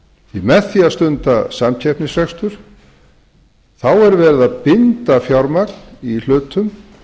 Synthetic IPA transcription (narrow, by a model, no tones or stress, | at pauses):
imɛθiast̪ʏnt̪asamcʰɛpnɪsrɛkst̪ʏɾ̥ | θawɛɾvɛːɾɪðapɪnt̪afjawɾmaknil̥ʏːt̪ʰʏm